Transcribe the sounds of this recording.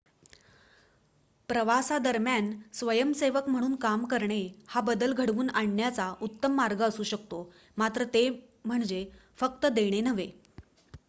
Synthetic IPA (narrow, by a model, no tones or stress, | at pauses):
pɾəʋasad̪əɾmjansʋəjəmseʋəkm̤əɽ̃uːnkamkəɾɳehabəd̪əlɡʱəɽʋuːnaɳːjat͡saʔut̪ːəmːaɾɡəːsuːɕək̚t̪o | mat̪ɾət̪e | m̤əɳd͡ʑefək̚t̪əd̪eɽ̃enəʋe